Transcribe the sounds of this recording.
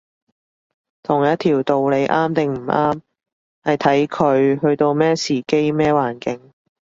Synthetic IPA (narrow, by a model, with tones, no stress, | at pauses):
t̪ʰʊ˨˩ŋjɐ˥t̚t̪ʰiː˨˩wt̪o˨wle˨˧jʔaː˥mt̪ɪ˨ŋm̩˨˩aː˥m | hɐ˨jt̪ʰɐ˨˥jkʰɵ˨˧ɥɦɵ˧ɥt̪o˧wmɛː˥siː˨ke˥jmɛː˥waː˨˩nkɪ˨˥ŋ